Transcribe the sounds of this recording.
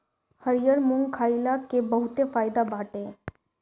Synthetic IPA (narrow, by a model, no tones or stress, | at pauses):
həɾijəɾmʊŋɡkʰaːilakebəɦʊt̪efaːɪd̪abaːʈeɛː